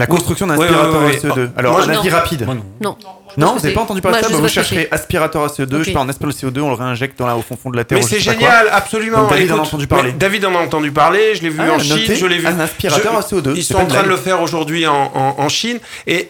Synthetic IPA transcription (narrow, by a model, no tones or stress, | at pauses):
lakɔ̃st̪χyksjɔ̃d̪ɛ̃sipiʁat̪waʁoseod̪øa̰lɔʁmwaɛ̃naviʁapid̪ | nɔ̃vuzavepaɑ̃t̪ɑ̃d̪ypalesabavuʃɛʁʃʁeʔaspiʁat̪waʁaseod̪əøʃepaɑ̃naspiləseod̪øɔ̃ləʁeɛ̃ʒɛk̚t̪̚d̪ɑ̃laofɔ̃fɔ̃d̪əlat̪ɛmɛosɛʒnjalapsɔlymɑɔ̃d̪avid̪ɑ̃naɑ̃t̪ɑ̃d̪ypaʁled̪avid̪ɑ̃naɑ̃t̪ɑ̃d̪ypaʁleʒəlevyɑ̃ʃnɔieʒəlɛvɛ̃naspiʁatt̪ɔʁaseod̪øilssɔ̃pãt̪χɛ̃d̪ələfɛʁoʒuʁd̪ɥiɑ̃ʔɑ̃ʔɑ̃ʃin | e